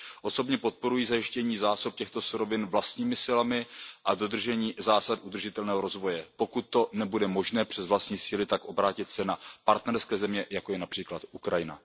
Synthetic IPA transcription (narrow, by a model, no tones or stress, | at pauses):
ʔo̞so̞bɲɛpo̞t̪̚po̞ɾujiːzajɪʃcɛɲiːzaːsup̚cɛxt̪o̞suɾo̞vɪnvlast̪ɲiːmɪsɪlamɪʔado̞d̪r̩ʒɛɲiːzaːsad̪ʔud̪r̩ʒɪt̪ɛlnɛːɦoɾo̞zvo̞jɛpo̞kut̪̚ːo̞nɛbudɛmo̞ʒnɛːpr̝̥ɛzvlast̪ɲiːsiːlɪt̪akʔo̞bɾaːcɪt̪sɛnapaɾt̪nɛɾskɛːzɛmɲɛjakojɛnapr̥iːklat̪ʔukɾajɪna̰